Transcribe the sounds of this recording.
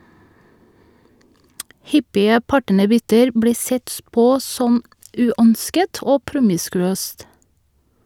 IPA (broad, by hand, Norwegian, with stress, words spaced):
ˈhʏpɪə ˈpɑʈənəˌbʏtəɾ ˈbɽiː ˈsɛt ˈpoː ˈsɔm ˈʉːœnskət ˈoː ˈpɾʊmɪskʉˌøːst